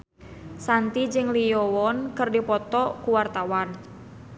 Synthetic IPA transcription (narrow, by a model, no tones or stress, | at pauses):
sant̪id͡ʒɨŋlijɔwɔnkɨrdipɔt̪ɔkuwart̪awan